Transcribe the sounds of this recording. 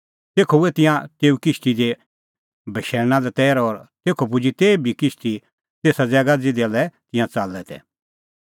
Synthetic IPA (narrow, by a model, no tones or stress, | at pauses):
t̪eːkʰouɛt̪ɪ̃jãt̪eːukɪst̪id̪e | bʱɐʃɛːɾñãlɛt̪ɛːɾɔɾt̪eːkʰopʊd͡ʒit̪eːbʱikɪst̪i | t̪eːsad͡zɛːɡad͡zid̪alɛt̪ɪ̃jãt͡salːɛt̪ɛ̰